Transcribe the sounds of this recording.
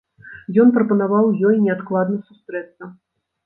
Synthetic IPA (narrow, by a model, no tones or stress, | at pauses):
jɔnpɾɐpɐnavawjɔjnʲɛat̪klˠad̪nɐsust̪ɾɛt̪sːɐ